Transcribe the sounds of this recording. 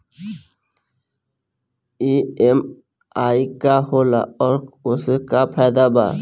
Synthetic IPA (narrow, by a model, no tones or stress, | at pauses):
iːem | aːikahoːla̰ɔːɾʊskapʰɛːd̪aba̰ː